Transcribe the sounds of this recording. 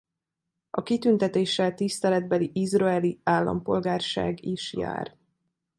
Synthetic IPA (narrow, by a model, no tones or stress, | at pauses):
ɒkit̪ynt̪ɛt̪eːʃːɛlt̪ist̪ɛlɛd̪̚bɛliʔizrɒɛliaːlːɒ̰mpo̞lɡaːrʃa̰ːɡiʃja̰ːr